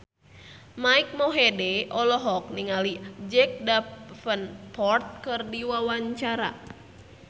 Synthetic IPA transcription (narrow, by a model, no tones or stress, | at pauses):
maik̚mɔɦedɛʔɔlɔɦɔk̚niŋalid͡ʒɛk̚dafənpɔrt̪̚kɨrdiwawaɲt͡ʃaɾa̰